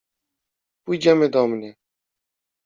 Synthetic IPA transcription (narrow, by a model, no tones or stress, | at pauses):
puid͡ʒaːmẽːd̪ɔːmneː